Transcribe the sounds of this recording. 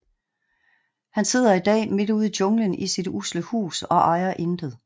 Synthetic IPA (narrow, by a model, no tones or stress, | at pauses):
hænse̝ð̰ˠɐid̥ɛ̰ːme̝duð̰ˠid̥ɔ̽ŋlənisid̥usləhṵːsɒ̽ʔɑ̈ɪɐʔe̝nd̥əðˠ